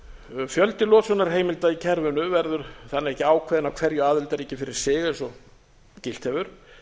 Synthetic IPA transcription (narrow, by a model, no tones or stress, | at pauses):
fjœlt̪ɪlɔːsɔnːaɾ̥ɦeːjmɪlt̪aicʰɛɾvʏnʏvɛɾðʏɾ̥θanːɪɾɛhcːɪaːwkʰvɛːðɪnawkʰv̥ɛɾjʏaːðɪlt̪aɾicɪfɪɾɪɾ̥sɪːɣɪsɔɣ | cɪl̥t̪hɛvʏɾ̥